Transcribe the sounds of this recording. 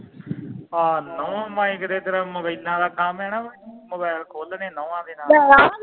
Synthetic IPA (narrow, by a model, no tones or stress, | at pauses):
aːnəãːmãːɪkd̪eːt̪əɾəməbəɪlãːd̪aːkamɛːnãːbməbɛːɾkʰoːlnẽːnəʋãːd̪eːnaːaɾaː